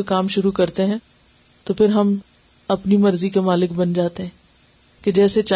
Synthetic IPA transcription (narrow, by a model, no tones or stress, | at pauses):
ekaːmʃʊɾukɐɾt̪eɦɛ̃ː | t̪opʰɪɾɦɐm | ɐpnimɐɾzikemaːlɪkbɐnd͡ʒaːt̪eɦɛ̃ː | ked͡ʒɛːset͡ʃa